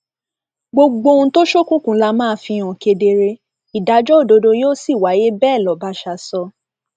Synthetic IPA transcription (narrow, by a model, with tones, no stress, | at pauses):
ɡ͡bo˧ɡ͡bo˧ũ˧˦to˦ʃo˦˨kũ˦kũ˨˧˦la˧mãː˦˧˦fĩ˧ɔ̃˨ke˧de˧ɾe˧ | i˨da˨˦d͡ʒɔ˦o˦˨do˧do˧joː˦si˦˨wa˨˦je˦bɛː˦˨lɔ˨˦ba˧˦ʃa˧sɔ˧